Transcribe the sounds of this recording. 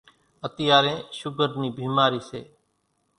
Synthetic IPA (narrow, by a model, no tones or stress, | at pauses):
ət̪ɪjaːɾẽːʃʊɡəɾniːbiːmaːɾiːseː